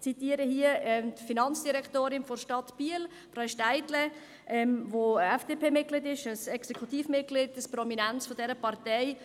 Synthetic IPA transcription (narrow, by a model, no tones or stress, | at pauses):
t͡sitiːəɾəhiəɛmdfinɑnt͡sd̥iɾɛktoːɾɪnfɔɾʃtɑtb̥iəl | fɾaʊʃtaɪdlə | ʔɛmvoɛfd̥eːpʰeːmɪt̚ɡlɪdɪʃəsɛksɛkʰutiːfmɪt̚ɡ̥lɪdəsprɔminant͡sfɔdɛɾəpɑɾtɛɪ